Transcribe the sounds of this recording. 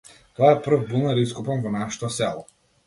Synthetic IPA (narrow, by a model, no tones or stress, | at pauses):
t̪ɔaɛpr̩vbulˠnaɾiskupanvɔnaʃɛ̥t̪ɔsɛlˠɔ